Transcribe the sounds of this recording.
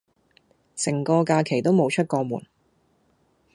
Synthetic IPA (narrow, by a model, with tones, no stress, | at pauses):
sɪ˨˩ŋkɔː˧kaː˧kʰe˨˩jt̪o˥wmo˨˧wt͡ʃʰɵ˥t̚kɔː˧mṵː˨˩n